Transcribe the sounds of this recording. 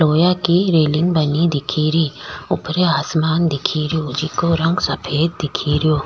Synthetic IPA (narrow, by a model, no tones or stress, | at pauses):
loːjakiɾeːlɪ̃ŋɡbɐnid̪ɪkʰiːɾiʊpɾeaːsmaːnd̪ɪkʰiːɾijod͡ʒikoɾɐ̃ŋɡsɐpʰeːd̪̚d̪ɪkʰiːɾijoː